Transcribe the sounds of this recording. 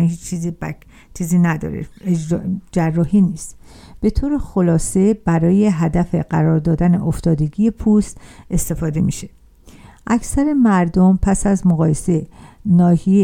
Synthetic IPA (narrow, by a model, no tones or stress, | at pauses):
hiːt͡ʃt͡ʃʰiːzib | t͡ʃʰiːziːnæd̪ɒ̰ːɾḛ | d͡ʒærːɒːɦiːniːst̪ | b̥e̞t̪ʰoːɾe̞xo̞lɒːse̞b̥æɾɒːje̞ɦæd̪æfe̞ɢæɾɒːɾd̪ɒːd̪æne̞̰ʔoft̪ɒːd̪e̞ɟije̞pʰust̪e̞st̪e̞fɒːd̪e̞miʃe̥ | ʔæcʰsæɾe̞mæɾd̪o̞mpʰæsæzmoɣɒːje̞se̞nɒːhije